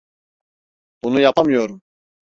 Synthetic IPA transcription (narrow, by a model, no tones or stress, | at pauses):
b̥unujapʰamijoɾum